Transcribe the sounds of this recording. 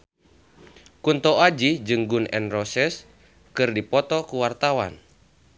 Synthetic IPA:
kunt̪ɔad͡ʒid͡ʒɨŋɡunɛ̰nrɔsɛs | kɨrdipɔt̪ɔkuwart̪awa̰n

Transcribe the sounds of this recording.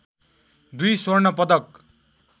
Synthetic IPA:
d̪ujswʌrnʌpʌd̪ʌk

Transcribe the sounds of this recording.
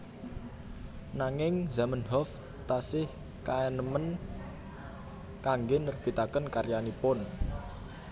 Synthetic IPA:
naŋɪŋzamənɦɔf | t̪asɪh | kaɛnəmən | kaŋɡenərb̥it̪akənkaɾjanipʊn

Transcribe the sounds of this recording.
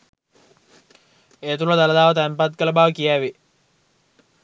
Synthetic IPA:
eːt̪ulɐd̪aləd̪aːʋət̪əæmpat̪kələbaːʋəkijæːʋi

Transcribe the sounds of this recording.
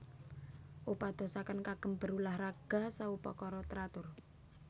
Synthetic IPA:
ʔupad̪̥o̤sakənkaɡ̥ə̤mbə̤ɾulahɾaɡ̥a̤saupa̰kɔɾɔt̪ɾat̪ʊr

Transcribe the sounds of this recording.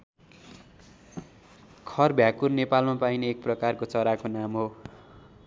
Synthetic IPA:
kʰʌrbʱjakurnepalmapajneek̚prʌkarkot͡sʌɾakonamɦo

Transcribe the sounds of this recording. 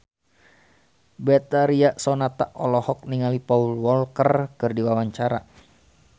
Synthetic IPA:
bɛt̪aɾiaʔsɔnat̪aʔɔlɔhɔk̚niŋalipaulwɔlkərkɨrdiwawaɲt͡ʃaɾa̰

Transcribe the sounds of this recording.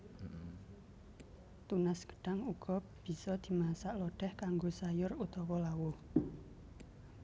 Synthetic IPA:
t̪unasɡ̥ə̥ɖ̥aŋuɡ̥ɔ̤b̥i̤sɔd̪̥i̤masaʔlɔɖ̥ɛhkaŋɡosajʊrut̪ɔkɔlawʊh

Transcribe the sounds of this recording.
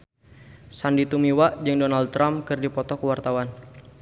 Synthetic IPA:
sandit̪umiwaʔd͡ʒəŋdɔnaldt̪ːɾamkɨrdipɔt̪ɔkəwart̪awan

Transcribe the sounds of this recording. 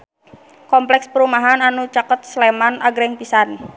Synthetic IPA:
kɔmplɛkspəɾumaɦananut͡ʃakət̪̚slemanaɡɾɛŋpisan

